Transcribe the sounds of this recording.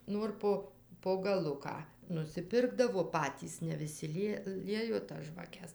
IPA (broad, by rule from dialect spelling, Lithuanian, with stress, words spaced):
ˈnoːr poː poː ɡɐˈlˠʊkɑː nʊsʲɪˈpʲɪrɡdɐʋoː ˈpɑːtʲiːs nʲɛ ʋʲɪˈsʲɪ ˈlʲiɛ ˈlʲiɛjoː tɐs ʒʋɐˈkʲɛs